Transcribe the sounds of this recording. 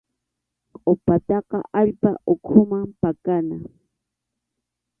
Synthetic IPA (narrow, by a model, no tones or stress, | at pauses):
qʼopat̪ɑqɑ̰ʔaʎpaʔokʰʊmampakana